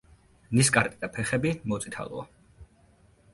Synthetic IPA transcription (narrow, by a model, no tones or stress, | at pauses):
niskʼaɾt̪ʼid̪ʼapʰɛχɛbimɔt̪sʼit̪ʰa̰lˠɔ̰a̰